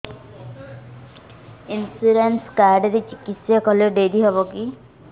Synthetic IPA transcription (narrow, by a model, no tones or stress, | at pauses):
insuɾenskaɾɖeɾet͡ʃikisjakɔlɔɖed̪iɦɔbɔki